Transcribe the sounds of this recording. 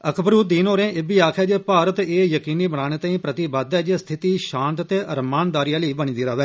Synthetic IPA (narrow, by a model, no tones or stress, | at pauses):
əkʰbɾuːd̪iːnoːɾẽːʔɪbiːaːkʰɛːd͡ʒpaːɾət̪eːjəkiːniːbəɽ̃aːɽ̃eːt̪ãːĩːpɾət̪iːbəd̪ɛːd͡ʒest̪ʰɪt̪iːʃãːnt̪t̪eːʔəɾmaːnd̪aːɾijãːləiːbəñĩːd̪iːɾaːʋɛː